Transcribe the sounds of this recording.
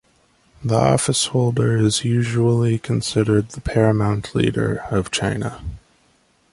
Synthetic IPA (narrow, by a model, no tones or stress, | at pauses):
ðiʔɔ̰fɨshoʊlˠdə˞ɪzjʉʒul̩ˠikʰɨ̃n̩sɪɾə˞d̪̚ðəpʰɛɹɨmãʊ̃ntʰlḭɾə̰˞ʌv̥t͡ʃʰãɪ̃nə̰